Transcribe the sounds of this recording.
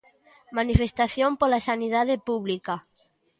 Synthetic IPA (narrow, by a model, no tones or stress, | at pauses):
manifest̪aθjompolasanið̞að̞epuβlika